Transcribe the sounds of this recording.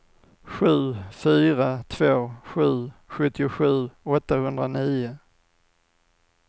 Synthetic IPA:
ɧʉ̟ːfyːɾat̪ʰvoːɧʉ̟ːɧɵt̪ːɪʊɧʉ̟ːɔt̪ːahɵnd̪ɾaniːʊ

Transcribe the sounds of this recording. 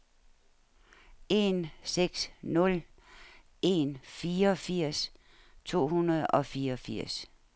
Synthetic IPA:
e̝nseɡ̥snɔ̽l | e̝nfiːɐɒ̽fiɐ̰s | t͡sʰo̝̰ːhunɐð̞̩ˠɒ̽fiːɐɒfiɐ̰s

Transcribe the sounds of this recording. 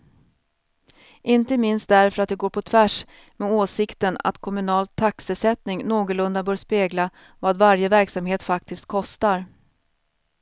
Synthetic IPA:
ʔɪnt̪əmɪnst̪̚d̪æɾfœɾat̪̚d̪ɛɡoːɾpʰɔt̪ʰvæʂ | mɛoːsɪkt̪əna̰t̪kʰɔmɵnɑːlt̪ʰːaksəsɛt̪nɪŋnoːɡəlɵnd̪abœːɾʂpeːɡla | vaːd̪vaɾjəvæɾksamheːt̪fak̚t̪ɪst̪̚kʰɔst̪aɾ

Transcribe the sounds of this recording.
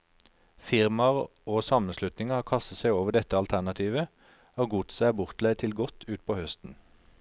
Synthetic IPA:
fɪʁmɑʁoːsɑmənslʉt̪nɪŋəhɑːkʰɑst̪ət̪sæɪoːʋəd̪ɛt̪əɑlt̪ʰæʁnɑt̪ʰiːʋə | oːɡut̪sæbʊʁt̪læɪt̪ʰɪlɡɔt̪ʰʉːt̪̚pʰoːhœst̪n̩

